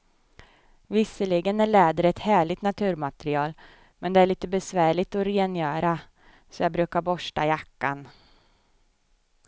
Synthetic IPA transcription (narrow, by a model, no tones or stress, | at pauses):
vɪsəlɪɡənæɭɛːd̪əɾɛt̪hæːɭɪt̪nat̪ʰʉ̟ːɾmat̪ɛɾɪɑːl | mɛnd̪ɛæɭiːt̪əbɛsvæːɭɪɡ̚t̪ɔɾeːnjœːɾa | sɔjɑːbɾʉ̟ːkaɾbɔʂʈajakːa̰n